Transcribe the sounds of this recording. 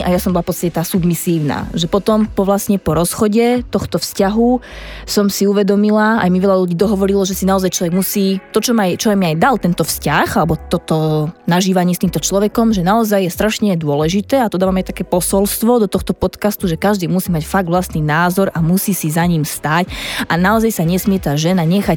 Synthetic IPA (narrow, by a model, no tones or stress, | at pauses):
ʔajasɔmbɔlafpɔt̪t͡sst̪acɛt̪aːsubmisiːʊna̰ːʒɛpɔt̪ɔmpɔʋlasɲɛpɔɾɔsxɔɟɛt̪ɔxt̪ɔfscaɦu | sɔmsiuʋɛd̪ɔmilaa̰jmiʋɛʎaʎuɟiːd̪ɔɦɔʋɔɾilɔʒɛsinaɔzajt͡ʃlɔʋɛɡmusiːt̪ɔt͡ʃɔmajt͡ʃɔamiajd̪alt̪ɛnt̪ɔfscaxalɛbɔt̪ɔt̪ɔnaʒiːʋaɲɪɛst̪iːmt̪ɔt͡ʃlɔʋɛkɔmʒɛnaɔzajːɛst̪ɾaʃɲɛd̪ʊɔlɛʒit̪ɛːat̪ɔd̪amaːmajt̪akɛːpɔsɔlst̪ʋɔd̪ɔt̪ɔxt̪ɔpɔt̪kast̪uʒɛkaʒd̪iːmusiːmacfaɡ̚d̪ʋlast̪ninaːzɔɾamusiːsizaɲiːmst̪aːcanaɔzajsaɲɛsmɪɛt̪aːʒɛnaɲɛxac